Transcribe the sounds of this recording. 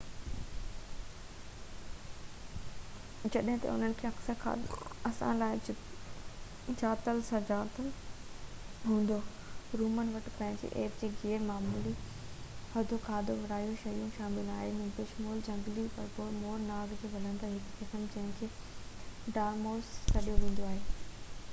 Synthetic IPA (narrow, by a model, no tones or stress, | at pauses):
d͡ʑɐɗɦɪ̃t̪ɐ̰ʊ̰n̤ənɪ̆kʰeːɐksəkʰa̰ːɐsã̰laːɪ | d͡ʑaːt̪əlsɐd͡ʑaːt̪əl | ɦũːn̆d̪o | ɾuːmənʋɐʈpɐ̃ːɦɪ̃d͡ʑḛʔeːfd͡ʑeːɡeːɾmaːmuːli | hɐd̪ʱokʰaːd̪ʱoʋɪɾaːijũʃɐjũʃaːmɪlaːɦemɪ̃pɪʃmoːld͡ʑɐ̃ŋɡlipɐɾpoːmoːɾnaːɡd͡ʑeːʋɐl̤ə̃nd̪əɾɦɪkkɪsəmd͡ʑɐ̃ɦɪ̃kʰeː | ɖaːɾmoːzkɐɗijoɦũːn̆d̪oaːɦeː